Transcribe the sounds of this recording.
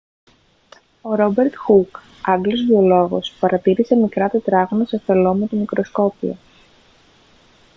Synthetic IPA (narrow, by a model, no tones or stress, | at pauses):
o̞ɾo̞be̞ɾt̪xuk | ɐɡlo̞zðio̞lo̞ɣo̞̰spɐɾɐt̪iɾise̞mikɾɐt̪et̪ɾɐɣnoseθelo̞met̪omikɾo̞sko̞pio̰